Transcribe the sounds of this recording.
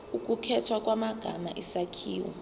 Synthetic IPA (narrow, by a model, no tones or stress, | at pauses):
ukʼukʰɛtʰwak̬ʼwamaɡ̥ʱama̰ʔisakʰiːwɔ̰